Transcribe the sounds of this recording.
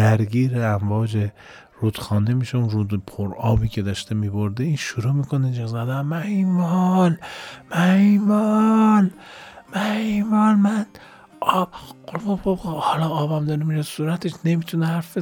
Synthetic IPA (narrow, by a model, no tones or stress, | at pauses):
æɾɡiːɾeæɱvɒːd͡ʒe | ɾud̪̥xɒːnd̪emiʃeunɾud̪pʰoɾɒːbiːkʰe̞d̪ɒʃt̪emiboɾd̪eiːnʃuɾuːmiːkʰonid͡ʒezæd̪æmmæimɒlmæimɒnmæimɒːnmæn | ɒbolmobobhɒlɒɒːbæmd̪ɒɾimiʃesuːɾæt̪ʰeʃne̞mit̪ʰunehæɾfbe